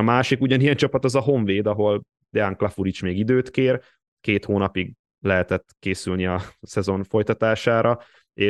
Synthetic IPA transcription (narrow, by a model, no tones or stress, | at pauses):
ɒmaːʃikuɟɒnijɛnt͡ʃɒpɒt̪ɒzɒɦo̞ɱveːd̪ɒɦo̞l | d̪aŋklɒfuɾit͡ʃmeːɡid̪øːt̪keːr | keːt̪hoːnɒpiɡ | lɛɦɛt̪ɛt̪ːkeːsylniɒsɛzo̞ɱfo̞jt̪ɒt̪aːʃaːɾʔɒ | eː